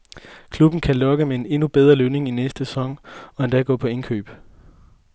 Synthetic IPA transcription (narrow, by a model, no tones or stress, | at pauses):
kʰlub̥n̩kʰælɒ̽ɡ̥əmee̝ne̝nub̥eð̞ˠʁɐløʊne̝ŋinesd̥əsɒ̽ŋ̰ɒ̽end̥ɛɡ̥ɔ̰̽ːpʰɒ̽e̝nkʰø̰ːb̥